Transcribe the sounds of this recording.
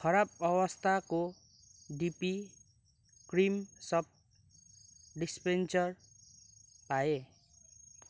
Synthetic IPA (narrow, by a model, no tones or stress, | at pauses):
kʰʌɾabʌwʌst̪ʰako | ɖipi | krimsʌp̚ | ɖispent͡sʌr | pae